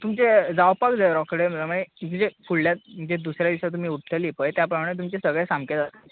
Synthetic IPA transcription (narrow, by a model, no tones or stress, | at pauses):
t̪umt͡ɕed͡zawpakd͡zaɾɔkɽeməam̤əneməd͡ʑefuɽːjat̪̚m̤əɳd͡zed̪usɾjad̪iɕat̪̬um̤iːuʈʰt̪ʰəliːpəjt̪japɾəmaɽet̪̬umt͡ɕesəɡɭesamked͡zat̪ḁ